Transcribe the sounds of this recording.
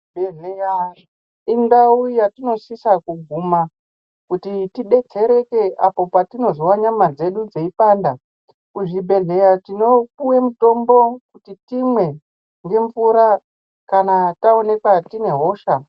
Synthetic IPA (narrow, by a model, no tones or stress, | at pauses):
bʱeɮeja | iŋɡaujatino̞sisakuɡʱuma | kutitiɗe̞t͡se̞ɾe̞ke̞ʔapo̞patino̞ziwaɲamad͡ze̞ɗud͡zeipanda | kuʐibʱe̞ɮe̞jatino̞kuwe̞muto̞mbo̞kutitimwe̞ | ŋɡe̞ɱfuɾa | kanatao̞ne̞kwatine̞ɦo̞ʃa